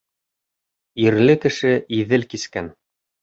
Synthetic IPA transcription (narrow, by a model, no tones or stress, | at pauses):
iɾlɘkɘ̆ʃɘʔiðɘlkiskæn